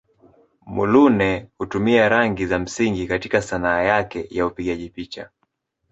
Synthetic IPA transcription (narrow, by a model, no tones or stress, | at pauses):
mulunɛhutumiaɾaŋɡizam̩siŋɡikatikasanaːjakɛjaupiɠaʄipit͡ʃa̰